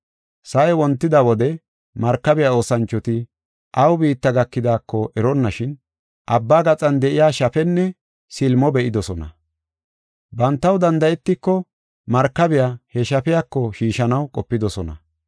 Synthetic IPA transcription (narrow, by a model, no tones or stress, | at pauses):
sɐʔɛwɔnt̪ːɪd̪ɐwɔd̪ɛ | mɐɾkːɐbɪjao̞ːsɐnt͡ʃːɔt̪ɪ | ʔɐwbiːt̪ːɐɡɐkːɪd̪aːkːɔʔɛɾɔnːɐʃɪn | ʔɐbːaːɡɐt͡sʼɐnd̪ɛʔɪjaːʃɐfɛnːɛ | sɪlmɔbɛʔɪd̪ɔsɔnɐ̰ | bɐnt̪ːɐwd̪ɐnd̪ɐjɛt̪ːɪkːɔ | mɐɾkːɐbɪjahɛʃɐfɛjakːɔʃiːʃɐnɐwkʼɔpːɪd̪ɔsɔnɐ̰